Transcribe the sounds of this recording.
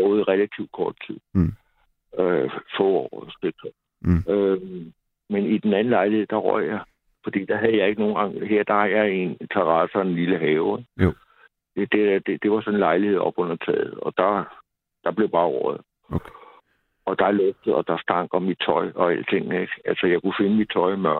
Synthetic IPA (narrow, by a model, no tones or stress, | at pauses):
b̥ɔːð̩ˠʁɛlæt͡sʰiʊd̥̚kʰɒ̰ːd̥̚t͡sʰið̰ˠ | øfɔ̰ɒ̰ːsd̥eɡ̥̚t͡sʰɔ | ø | menid̥enæn̩lɑ̈ɪlihe̝ð̰ˠd̥ɑ̈ʁɔɐ̰jɑɪ | fɒ̽d̥ḭːd̥ɑ̈ɦæð̞̩ˠjɑ̈ɪe̝ɡ̥əno̝ːn̩ɡ̥ɑ̈ŋɦeɐ̰d̥ɑ̈hɑ̈jɑe̝nt͡sʰɑʁɑ̈senliləɦɛːʊeɡ̥ | ed̥ed̥ed̥e̝ʋɑ̈sɒ̽nenlɑ̈ɪlihe̝ð̞̰ˠɒ̽b̥ɔ̽n̰ɐt͡sʰɛ̰ːð̩ˠɒ̽d̥ɑ | d̥ɑ̈b̥le̝ʊb̥ɑ̈ːʁɒ̰ːð̩ˠ | ɒ̽d̥ɑ̈ælɔɡ̚d̥ð̩ˠɒ̽d̥ɑ̈sd̥ɑ̈ŋ̰ɡ̥ɒ̽mid̥̚t͡sʰɒ̽ɪɒ̽ælt͡sʰe̝ŋ̰nəeɡ̥ælsɒjɑ̈ɪkʰufe̝nəmid̥̚t͡sʰɒ̽ɪmɶɐ̥